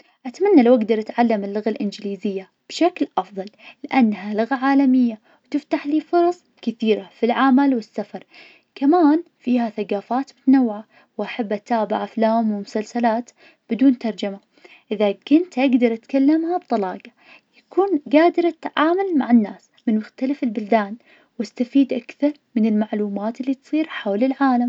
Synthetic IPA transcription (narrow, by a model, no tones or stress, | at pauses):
ʔat̪manːalawʔaɡd̪ɑɾˤʔat̪ʕalːamɪlːʊɣalʔɪnd͡ʒɪliːzɪjːa | b̥ʃaklʔɑfðˤɑlːɪʔanːhalʊɣaʕaːlamɪjːa | wt̪ɪft̪aħliːfʊɾˤɑsˤ | kɪθiːɾafilʕamalwɪsːafɑɾˤ | kamaːnfiːhaθaɡaːfaːt̪mʊt̪anawːʕa | wʔaħabːʔat̪aːbɪʕaflaːmwɪmʊsalsalaːt̪ | b̥ɪd̪uːnt̪ɑɾˤd͡ʒama | ʔɪðakʊnt̪ʔaɡd̪ɑɾˤʔat̪kalːamhabt̪ˤɑlɑːɡɑ | jakuːnɡaːd̪ɪɾˤʔat̪ʕaːmalmaʕɪnːaːs | mɪnmʊxt̪alafɪlbʊld̪aːn | wʔast̪afiːd̪ʔakθɑɾˤmɪnɪlmaʕluːmaːt̪ɪlːiːt̪sˤiːɾħawlɪlʕaːlam